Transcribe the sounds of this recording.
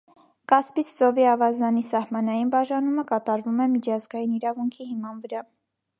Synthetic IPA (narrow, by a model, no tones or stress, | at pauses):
kɑspit͡sʰzɔviɑvɑzɑnisɑhmɑnɑjinbɑʒɑnuməkɑt̪ɑɾvumɛmit͡ʃʰɑzɡɑjiniɾɑvuŋkʰiɦimɑnvəɾɑ